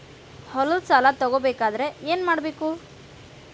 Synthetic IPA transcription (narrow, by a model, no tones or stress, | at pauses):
hɔlosaːlat̪ɔɡobeːkaːd̪ɐɾe̞eːnmaːɽbeːku